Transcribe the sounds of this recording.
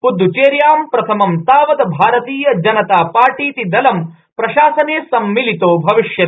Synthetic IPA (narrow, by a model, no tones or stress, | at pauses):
pud̪ʱːut͡ʃeːɾjaːmpɾɐt̪ʰɐmɐmt̪aːʋɐd̪ɐbʱaːɾɐt̪iːjɐd͡ʒɐnɐt̪aːpaːɾʈiːt̪id̪ɐlɐm | pɾɐʃaːsɐneːsɐmːilit̪oːbʱɐʋiʂjɐt̪ː